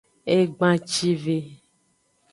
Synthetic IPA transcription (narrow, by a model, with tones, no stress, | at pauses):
e˦ɡ͡bã˨t͡ʃi˦ve˨